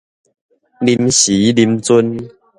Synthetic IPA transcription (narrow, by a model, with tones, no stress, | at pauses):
li˧mɕi˨˦li˧mt͡su˦n